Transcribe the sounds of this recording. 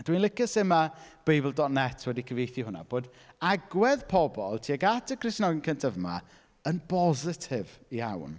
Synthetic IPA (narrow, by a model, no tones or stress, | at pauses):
d̥winlˠɪkɪsɪmab̥ejblˠdɔtnɛtʰwɛdikʰəvejθihʊna̰b̥oːd | aɡwɛðpʰɔbɔ̰lˠtʰiːaɡatʰəkʰrɪsnɔɡɪnkʰəntʰavma̰ | ənpʰɔzɪtʰɪvia̰wn